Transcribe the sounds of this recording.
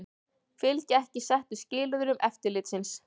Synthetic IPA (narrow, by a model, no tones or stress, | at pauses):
fɪlcɪɛhcɪsɛht̪ʏscɪːlʏðʏɾʏmʔɛft̪ɪɾlɪt̪sɪns